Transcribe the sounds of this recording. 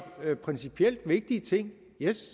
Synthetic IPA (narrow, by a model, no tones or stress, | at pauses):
pʰʁɛnsipʰiel̰d̥ʋe̝ɡ̥̚d̥iət͡sʰe̝ŋ̰ | je